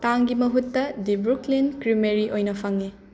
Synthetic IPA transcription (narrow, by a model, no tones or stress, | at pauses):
taŋɡimɐɦutːɐdibɾuklinkɾimeɾiʔojnɐpʰɐŋːi